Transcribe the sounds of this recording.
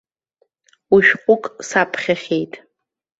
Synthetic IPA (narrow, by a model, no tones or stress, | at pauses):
uʃᶣqʷʼʊkʼsapʰχʲaχʲe̞jtʼ